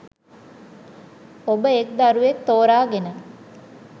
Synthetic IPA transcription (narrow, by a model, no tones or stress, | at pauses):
obəek̚d̪aɾuʋet̪ːoːɾaːɡenə